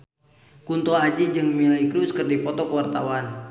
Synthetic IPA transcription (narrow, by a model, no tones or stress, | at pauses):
kunt̪ɔad͡ʒid͡ʒɨŋmilaikɾuskərdipɔt̪ɔkəwart̪awan